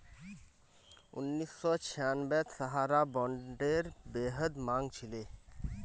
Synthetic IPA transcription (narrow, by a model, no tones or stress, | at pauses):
ṵnːisːɔt͡ɕʰanbɛt̪saɦaɾabɔɳɖeɾbeɦəd̪maŋt͡ɕʰile